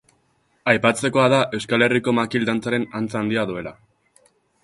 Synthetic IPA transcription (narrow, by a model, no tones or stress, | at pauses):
ajpat͡se̞ko̞aðaʔe̞wskale̞riko̞makild̪ant͡saɾe̞nant͡saːnd̪iaðue̞la